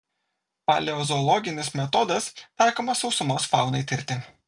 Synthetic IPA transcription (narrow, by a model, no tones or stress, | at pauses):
pɐlʲɛɔzɔːlˠɔɡʲɪnʲɪsmʲɛt̪ɔd̪ɐst̪ɑˑɪkoːmɐsɒʊsʊmoːsfɑˑʊnɐɪt̪ʲɪɾʲt̪ʲɪ